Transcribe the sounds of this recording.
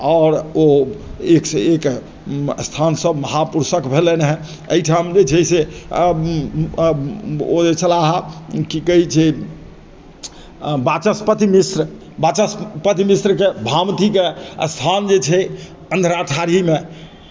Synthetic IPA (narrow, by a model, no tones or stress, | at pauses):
ɔɾoeksek | st̪ʰansəbməɦapuɾsəkbʱelenɦɛ̃ | əiʈʰamd͡ʒet͡ʃʰɛse | od͡ʒet͡ʃʰəlaɦãkikəɦit͡ʃʰɛ | bat͡ʃəspət̪imisɾə | bat͡ʃəspət̪imisɾkebʱamt̪ikest̪ʰand͡ʒet͡ʃʰɛ | ənd̪ʱɾaəʈʰaɾime